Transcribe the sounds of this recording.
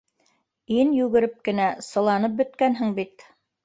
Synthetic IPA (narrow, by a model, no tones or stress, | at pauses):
injʉɡɘ̆ɾɘp̚kɘ̆næsɤ̆lˠɑnɤp̚bɵ̆t̪kænɦɘŋbit̪